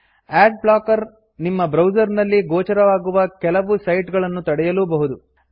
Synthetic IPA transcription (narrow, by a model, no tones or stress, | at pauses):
aːɖ̚bɭaːkɐɾ | nimːɐbɾɐwd͡ʒɐɾnɐlːiɡoːt͡ʃɐɾɐʋaːɡuʋɐkɛlɐʋusɐjʈɡɐɭɐnːut̪ɐɽɛjɐlubɐɦud̪u